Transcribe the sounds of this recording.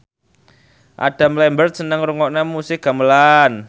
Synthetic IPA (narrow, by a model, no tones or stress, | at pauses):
ʔa̰d̥a̤mlɛmbərt̪̚sənəŋɾuŋɔʔnɛmusɪk̚ɡ̥a̤məlan